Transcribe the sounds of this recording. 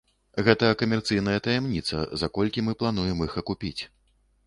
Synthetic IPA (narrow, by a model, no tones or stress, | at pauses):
ɣɛt̪ɐkɐmʲɛrt̪sɨjn̪ɐjɐt̪ɐjɛmnʲit̪sɐ̰zakɔlʲkʲimɨplˠan̪ujɛmixɐkupʲit͡sʲ